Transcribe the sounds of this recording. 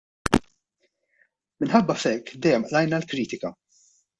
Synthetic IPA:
mɪnħɐbːɐfɛkːd̪ɛjːɛmʔlɐjnɐlkɾiːt̪ɪkɐ

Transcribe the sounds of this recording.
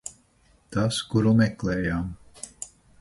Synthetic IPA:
t̪askuɾumɛklɛːjaːm

